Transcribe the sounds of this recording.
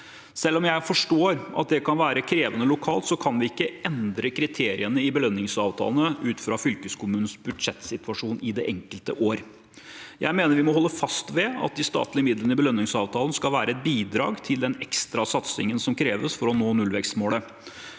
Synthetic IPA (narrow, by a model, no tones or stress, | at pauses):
sɛlːɔmjæɪfɔʂʈoːɾʔɑ̰t̪̚d̪ɛkɑnʋæːɾəkʰɾeːʋənəlʊkʰɑ̰ːlt̪sɔkʰɑnʋɪɪkːəɛnd̪ɾəkʰɾɪt̪ʰeːɾɪ̰ənəɪbəlœnːɪŋsɑːʋt̪ʰɑ̰ːlənəʉːt̪fɾɑfʏlkəskʰʊmʉːnən̩sbʉd̪ʂɛt̪sɪt̪ʋɑʂuːnɪd̪ɛʔɛŋkəlt̪əʔoːɾ | jæ̰ɪmeːnəɾʋɪmɔhɔlːəfɑst̪ʋɛɑ̰t̪̚d̪ɪst̪ɑ̰ːt̪lɪmɪd̪lənəɪbəlœnːɪŋsɑːʋt̪ʰɑːlən̩skɑlʋæːɾəɛt̪̚biːd̪ɾɑ̰ːɡt̪ʰɪld̪ɛnɛkst̪ɾɑsɑt̪sɪ̰ŋənsɔmkʰɾeːʋəsfɔɾɔnoːnʉlʋɛkst̪moːlə